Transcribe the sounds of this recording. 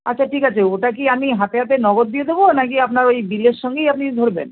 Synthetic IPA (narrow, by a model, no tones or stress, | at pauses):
atːɕʰaʈʰikat͡ɕʰeoʈak̬iamiɦat̪eɦat̪̬enɔɡot̪̚d̪ijed̪ebonakiapnaɾojbilːeʃʃɔŋɡejap̚nid̪ʱoɾbḛn